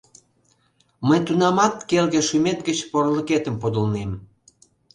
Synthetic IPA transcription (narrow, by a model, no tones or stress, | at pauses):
məjt̪unɑmɑt̪kelɣeʃymet̪̚ɡət͡ɕporləket̪əmpod̪əlnem